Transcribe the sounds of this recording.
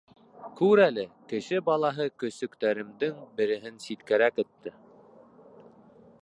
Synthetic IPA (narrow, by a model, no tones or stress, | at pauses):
kʉɾælɘkɘ̆ʃɘbɑlˠɑɦɤkɵ̆sɵ̆kt̪æɾɘ̆md̪ɘŋbɘ̆ɾɘ̆ɦɘnsit̪kæɾækɘ̆t̪ːɘ